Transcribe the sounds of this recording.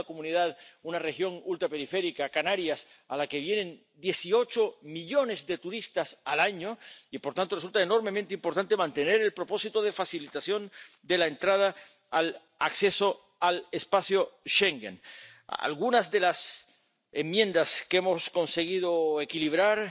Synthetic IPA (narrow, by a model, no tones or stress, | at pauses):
komũniðaðunarexjo̞ŋult̪ɾape̞ɾife̞ɾikakanaɾjas | alake̞β̞je̞nẽ̞n | d̪je̞sio̞t͡ʃomiʎo̞ne̞zðe̞t̪uɾist̪asalaɲoipoɾt̪ant̪oresult̪aeno̞ɾme̞mẽnt̪eimpo̞ɾt̪ant̪emãnt̪ene̞ɾe̞lpɾo̞po̞sit̪oð̞e̞fasilit̪asjo̞n | d̪elaent̪ɾað̞aː | l | akse̞so̞ | alespasjoʃeŋɡḛn | a̰lɣunazðe̞las | emːjẽ̞nd̪askemo̞sko̞nse̞ɣ̞ið̞oekiliβ̞ɾaɾ